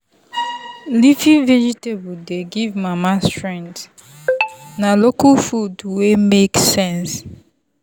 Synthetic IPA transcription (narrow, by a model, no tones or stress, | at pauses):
lifĩvɛd͡ʒitebudeɡivmamastɹɛ̃nt | nalokafudwemeksɛ̃ns